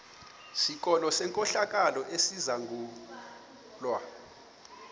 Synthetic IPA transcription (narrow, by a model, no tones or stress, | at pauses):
sik̬ʼɔlɔsɛŋkʼɔɬak̬ʼalɔʔesizaŋɡʱuː | lwa